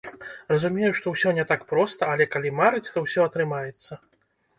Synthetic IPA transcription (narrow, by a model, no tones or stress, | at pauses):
rɐzumʲejuʂt̪ɔwsʲɔnʲɛt̪akpɾɔst̪ɐːlʲɛkalʲimaɾɨt͡sʲt̪ɔwsʲɔɐt̪ɾɨmajɛt̪sːɐ